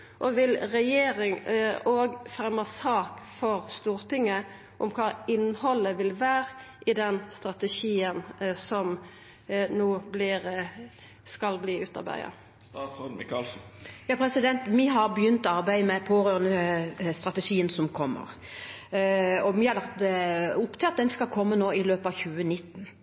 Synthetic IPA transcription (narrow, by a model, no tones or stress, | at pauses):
ʔɔʋɪlʁɛjeːɾɪŋoːɡfɛmɑsɑːkfɔʁst̪uːʁt̪ɪŋːə | ʔʊmkʰɑːɪnhɔlːəʋɪlʋæːʁʔɪd̪ɛnst̪ʁɑt̪əʃiːənsɔm | noːblɪːʁ | skɑlbliːʉːt̪ɑ̰ʁbæ̰ɪɑ̰ | ɑl̩jɑːpʰɾɛsɪd̪ɛnt̪miɦɑʁbjʏnt̪ɔɑʁbæɪəmɛpʰoːʁøːʁənəst̪ʁɑt̪əʂiːənsɔmkʰɔmːə̰ʁ | ɔmɪhɑʁlɑkt̪d̪ɛʊpt̪ʰɪɑt̪̚d̪ɛnskɑlkʰɔmːənoːɪløːpəɑʋçʉːənɪt̪ːn